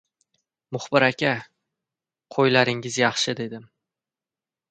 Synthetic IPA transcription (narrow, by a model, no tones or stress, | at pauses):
mʊχbɪɾakʲa | qʰojlaɾɪŋɪzjɑχʃɪd̪e̞d̪ɪm